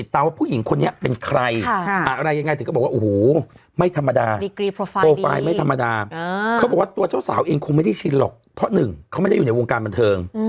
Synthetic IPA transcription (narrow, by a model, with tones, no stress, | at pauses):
i˨˩t̪ːaː˧mwa˥˩pʰuː˥˩ji˩˦ŋkʰo˧nːi˦˥ɐpe˧nkʰɾa˧ja˨˩ʔa˧ɾa˧jːa˧ŋa˧jt̪ɯː˨˦˥bwa˥ʔhoː˨˦ | ma˥˩jt̪ʰa˧mːa˧daː˧di˧ki˦˧oː˧fa̰ː˧jma˥˩jt̪ʰa˧mːa˧daː˧ka˦˥bɔ˨˩wa˥˩t̪u˧ɐt͡ɕa˥˩wsa̰ː˩˦wʔeː˧ŋkʰu˧ŋma˥˩jda˥˩jt͡ɕʰi˦˥tlɔ̰˨˩k̚pʰɾɔ˦˥nɯ˨˩ŋkʰa˦wma˥˩da˥˩juː˨˩na˧jwoː˧ŋkaː˧nba˧nt̪ʰɤː˧ŋ